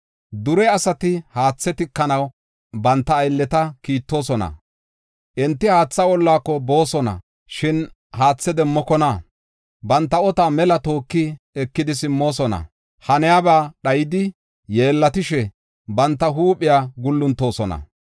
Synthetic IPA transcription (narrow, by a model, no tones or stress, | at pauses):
d̪ʊɾɛɐsɐt̪ɪhaːt͡sːɛt̪ɪkːɐnɐw | bɐnt̪ːɐːjlːɛt̪ɐkiːt̪ːo̞ːsɔnɐ̰ | ʔɛnt̪ːɪhaːt͡sːɐwɔlːaːkːɔbo̞ːsɔnɐ̰ | ʃɪn | haːt͡sːɛd̪ɛmːɔkɔna | bɐnt̪ːɐɔt̪aːmɛlɐt̪o̞ːkːɪ | ɛkːɪd̪ɪsɪmːo̞ːsɔnɐ̰ | hɐnɛjaːbaːɗɐjɪd̪ɪ | je̞ːlːɐt̪ɪʃɛ | bɐnt̪ːɐɦuːpɪjaːɡʊlːʊnt̪ːo̞ːsɔnɐ̰